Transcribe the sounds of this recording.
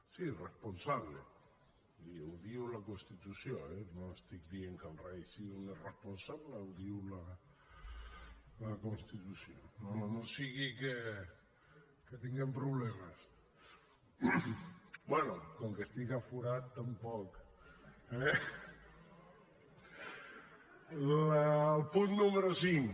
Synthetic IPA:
siresponsaβlḛ | iuðiulakonst̪it̪usjoɛnoest̪ik̚d̪ieŋkanrajsiuneresponsaβlauðiula | lakonst̪it̪usjononosiɣike | kət̪iŋɡɛmpɾuβlɛməs | bwɛnukɔŋkest̪ikafuɾat̪ːampɔk | ɛ | lalˠpunːuməɾusiŋ

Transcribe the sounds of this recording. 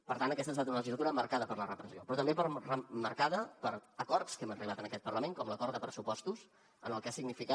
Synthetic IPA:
pəɾt̪anəkɛst̪əst̪at̪unələʒizlət̪uɾəməɾkaðəpəɾlərəpɾəziopɾɔt̪əmbepəɾrəməɾkaðəpəɾəkɔrskɛmərilat̪ənəkɛt̪̚pəɾləmeŋkɔmləkɔɾt̪d̪əpɾəsupɔst̪us | ənəlˠkasiɡnifikat̪̚

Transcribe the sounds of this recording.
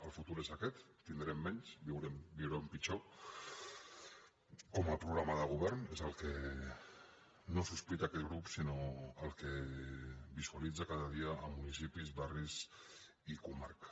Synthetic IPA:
əlˠfut̪uɾezəkɛt̪ːind̪ɾɛmːɛɲsbiwɾɛmbiwɾempit͡ʃo | kɔməlˠpɾuɣɾaməðəɣ̞uβɛɾnezəlˠke | nosuspit̪aːkɛt̪ɣɾupsinoəlˠkə | bizualid͡zəkaðəð̞iəʔːmunisipizβariz | ikumaɾk

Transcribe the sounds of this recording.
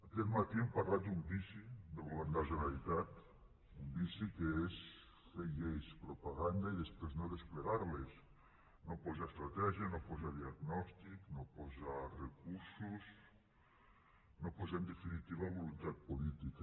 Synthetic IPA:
akɛt̪mat̪iempaɾlat̪̚d̪umbisid̪eβoland̪aʒonalit̪at̪ | umbisikees | feʎejspɾopaɣand̪aiðespɾeznoðespleɣaɾles | nopozaest̪ɾat̪ɛʒianopozaðiaɣnɔst̪iknopɔzarekuɾsus | nopozand̪efinit̪iβaβolunt̪at̪̚polit̪ika

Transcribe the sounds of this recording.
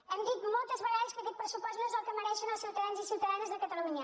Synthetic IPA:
ɛmd̪it̪mɔlˠt̪əzβɐɣaʎəskəkɛt̪̚pɾəsupɔst̪nõezəlˠkəməɾɛʃənɐlˠsiwt̪ɐðanzisiwt̪ɐðanzðəkət̪əlˠuɲɐ

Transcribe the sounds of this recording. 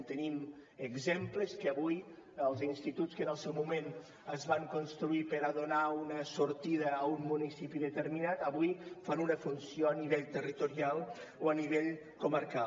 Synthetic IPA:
t̪əniməɡzempləskəaβuj | əlˠzinst̪it̪utskənəlˠsɛwmumen | əzβaŋkunst̪ɾuipəɾəðunaunəsuɾt̪iðəːumːunisipiðət̪əɾminat̪əβujfanunəfunsjoaniβeʎt̪ərit̪uɾialˠ | oaniβ̞eʎ | kuməɾka

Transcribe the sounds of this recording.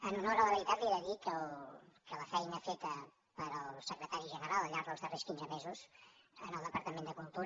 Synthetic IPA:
ənunoɾələβəɾit̪at̪lieɾəðikəlkələfɛjnafet̪ə | pəɾəllˠsəkɾət̪aɾiʒənəɾalˠəʎaɾðəlˠzðəreskinzəmezuzənəlˠəpəɾt̪əmend̪əkulˠt̪uɾ

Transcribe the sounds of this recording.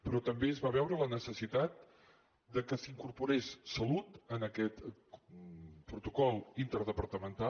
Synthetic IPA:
pɾɔt̪əmbeəzβaβɛwɾələnəsəsit̪at̪̚ | d̪əkəsiŋkuɾpuɾessəlut̪ənəkɛt̪ | pɾut̪ukɔlˠint̪əɾð̞əpəɾt̪əmənt̪a

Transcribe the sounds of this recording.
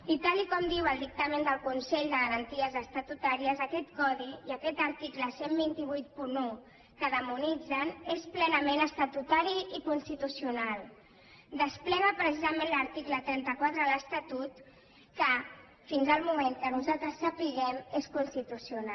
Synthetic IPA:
it̪alikɔmd̪iwəlˠd̪ik̚t̪amend̪əlˠkunsɛʎd̪əɣəɾənt̪iəzəst̪at̪ut̪aɾiəzəkɛt̪kɔðiiəkɛt̪əɾt̪ikləsembint̪iβ̞ujt̪̚punu | kəðəmunid͡zənesplɛnəmenəst̪at̪ut̪aɾiikunst̪it̪usiunalˠ | d̪əsplɛɣəpɾəs̬izəmẽnləɾt̪iklət̪ɾɛnt̪əkwat̪ɾələst̪at̪ut̪ | kə | finzəlˠmumeŋkənuzalˠt̪ɾəsːəpiɣɛmeskunst̪it̪usiuna

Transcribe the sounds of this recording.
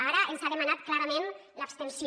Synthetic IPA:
aɾəʔenzaðəmanat̪̚klaɾəmenləpst̪ensi

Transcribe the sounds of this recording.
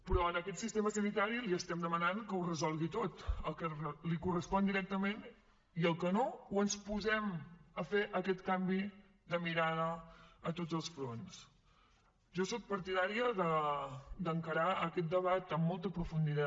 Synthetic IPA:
pɾɔənəkɛt̪sist̪eməsənit̪aɾiliəst̪ɛmd̪əmənaŋkəurəzɔlˠɣit̪ot̪əlˠkəlikurəspɔnd̪iɾɛk̚t̪əmen | iəlˠkənowənspuzɛməfeʔəkɛt̪kambi | ðəmiɾaðəːt̪odd͡zəlˠsfɾons | ʒɔsok̚pəɾt̪iðaɾiəðə | d̪əŋkəɾaəkɛt̪̚d̪əβat̪əmːɔlˠt̪əpɾufund̪it̪a

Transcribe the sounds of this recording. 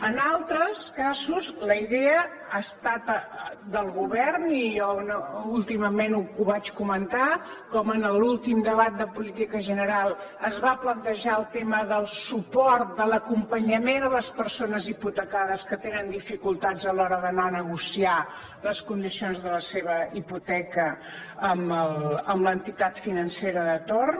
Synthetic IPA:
ənalˠt̪ɾəskazuzləiðɛə | ast̪at̪ | d̪əlˠɣuβɛrnijɔnulˠt̪iməmenukuβat͡ʃkumənt̪a | kɔmənəlulˠt̪imd̪əβat̪̚d̪əpulit̪ikəʒənəɾalˠəzβaplənt̪əʒaəlˠt̪eməðəlˠsupɔɾt̪̚d̪ələkumpəɲəmenələspəɾsonəziput̪əkaðəskət̪enənd̪ifikulˠt̪ad͡zəlɔɾəðənanəɣusia | ləskund̪isionzðələseβəiput̪ɛkə | əməlˠəmləənt̪it̪at̪finənseɾəðət̪or

